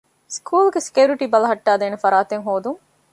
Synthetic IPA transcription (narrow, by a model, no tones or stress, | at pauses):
skʰuːlɡesi̥kiuɾiʈibɐlɐɦɐʈːaːd̪eːnefɐɾaːt̪eŋɦoːd̪uŋ